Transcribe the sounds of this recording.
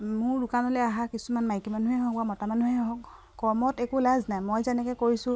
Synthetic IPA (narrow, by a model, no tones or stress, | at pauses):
mʊɹdukanɔlɛaɦakisumanmajkimanuɦɛɦɔ̃kamɔtamanuɦɛɦɔk | kɔmɔtɛkulaznajmojzɛnɛkɛkoɹisʊ̃